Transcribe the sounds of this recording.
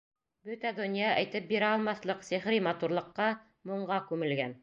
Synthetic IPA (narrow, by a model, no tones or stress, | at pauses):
bɵt̪æd̪ɵ̆njɑʔæjt̪ɘp̚biɾæɒlˠmɑθlˠɤqsɘ̆χɾimɑt̪uɾlˠɤ̆qːɑ | muɴɢɑkʉmɘ̆lɡæn